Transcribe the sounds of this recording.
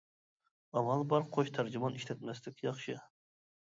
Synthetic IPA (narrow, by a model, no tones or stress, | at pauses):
ɑmɑlˠbɑɾqʰoʃt̪ʰæɾd͡ʒɪmɑniʃt̪ʰɛt̪mɛslɪkʲjɑχʃɨ